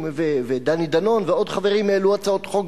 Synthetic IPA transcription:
veved̪anid̪ano̞nveo̞d̪χaveʁimeluat͡sao̞t̪χo̞ɡ

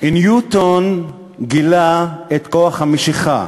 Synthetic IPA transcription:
ʔinjut̪on | ɡilaet̪koaχhamiʃiχa̰

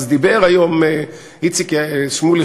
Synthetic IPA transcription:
zd̪ibeʁajom | it͡sikʃmuli

